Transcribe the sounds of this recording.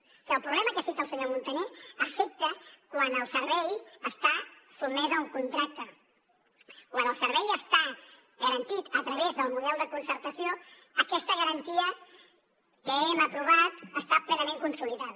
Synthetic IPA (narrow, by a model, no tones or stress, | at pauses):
siəlˠpɾuβlɛməkəsit̪əlˠsəɲomunt̪əneəfɛk̚t̪əkwanəlˠsəɾβɛjəst̪asumɛzəuŋkunt̪ɾak̚t̪ə | kwanəlˠsəɾβɛjəst̪a | ɣəɾənt̪it̪ət̪ɾəβezðəlˠmuðɛlˠd̪əkunsəɾt̪əsio | əkɛst̪əɣəɾənt̪iə | kəɛməpɾuβat̪əst̪aplɛnəmẽŋkunsuliðat̪